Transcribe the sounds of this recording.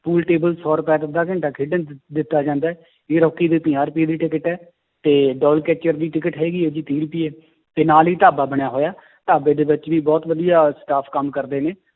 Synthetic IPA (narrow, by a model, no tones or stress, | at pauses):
puːlʈeːbəlsɔːɾʊpɛːd̪ɪd̪aːk̬ə̃ɳʈaːkʰɪːɖənd̪ɪt̪ːaːd͡ʒãːnd̪aːɛː | eːɾɔːkːiːd̪iːp̪ɪ̃aːɾpiːd̪iːʈɪkəʈɛː | t̪eːɖɔːlkɛːt͡ʃəɾd̪iːʈɪkəʈɦɛːɡiːɛːd͡ʒiːt̪iːɾpiːɛː | t̪eːnaːliːt̪aːbaːbəɽjaːɦoːjaː | t̪aːbeːd̪eːʋɪt͡ʃʋiːbɔːt̪ʋəd̪ijaːsʈaːpʰkəmkəɾd̪eːneː